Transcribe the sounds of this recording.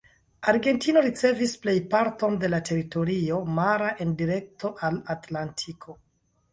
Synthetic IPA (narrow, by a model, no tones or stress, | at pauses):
aɾɡe̞ntino̞ɾit͡se̞visple̞jpaɾto̞nde̞latʰe̞ɾito̞ɾio̞maɾaʔe̞ndiɾe̞k̚to̞ʔalatlantʰikʰo̞